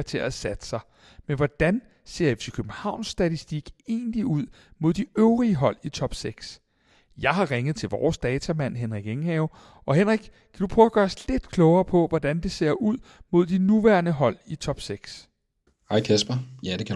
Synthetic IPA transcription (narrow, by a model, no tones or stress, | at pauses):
t͡sʰe̝ɐæsæd̥ə̥sɑ̈ɪ | menʋɒd̥æn | se̝̰ɐ̰efsøkʰøb̥n̩hɑ̈ʊ̰nsːd̥æt͡sʰisd̥iɡ̥e̝ːnliuð̞̰ˠ | mo̝ð̞̰ˠd̥iøʊʁiəɦɒ̽l̰it͡sʰɒ̽b̥seɡ̥s | jɑ̈ɪɦɑ̈ʁeŋð̞̩ˠt͡sʰe̝lʋɒːsd̥ɛːt͡sʰæmæn̰ɦenʁiɡ̥eŋhɛʊ | ʔɒ̽ɦenʁiɡ̥ | kʰæd̥upʰʁœːʊɐɡ̥ɶːɐsle̝d̥kʰlɒʊɐːpʰɒ̽ʋɒd̥ænd̥e̝se̝ɐ̰ʔuð̰ˠmo̝ð̞̰ˠd̥inuʋæɐnəɦɒ̽l̰it͡sʰɒ̽b̥seɡ̥s | hɑ̈ɪkʰæsb̥ɐjæd̥ekʰæ